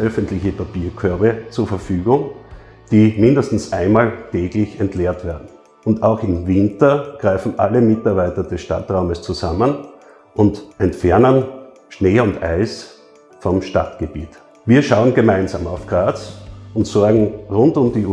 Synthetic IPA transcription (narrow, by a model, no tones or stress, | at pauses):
ʔœfəntlɪçəpapiːɐkʰœɐbət͡suːɐfɐfyːɡʊŋ | d̥iːmɪndəstn̩sʔaɪnmaːltʰɛːɡlɪçɛntleːɐtv̥eːɐdn̩ | ʊntaʊxɪmvɪntɐɡ̥ʁaɪfn̩ʔaləmɪtaɐbaɪtɐdɛsʃta̰tʁaʊməst͡suzamən | ʔʊntʔɛntfɛɐnən | ʃneːʊnta̰ɪs | fɔmʃtatɡ̥əb̥iːt | viːɐʃaʊənɡəmaɪ̃nzaːmaʊfɡ̥ʁaːt͡sʊntsɔɐɡŋ̩ʁʊntʊmdi